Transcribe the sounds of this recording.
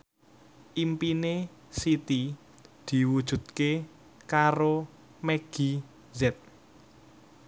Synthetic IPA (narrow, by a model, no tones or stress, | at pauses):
ʔimpine | sit̪i | d̪̥i̤wud̥ʒ̥ṳd̪̚ke | kaɾo | meɡ̥i | zɛt̪̚